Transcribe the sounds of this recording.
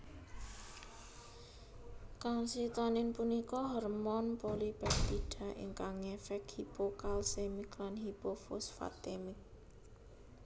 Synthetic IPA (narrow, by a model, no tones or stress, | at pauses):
kaŋsit̪ɔnɪnpunikɔɦɔrmɔnpolib̥ɛt̪iɖ̥a̤ʔɪ̰ŋkaŋefɛkhipokalsemɪklanhipofʊ̰sfa̰t̪emɪk̚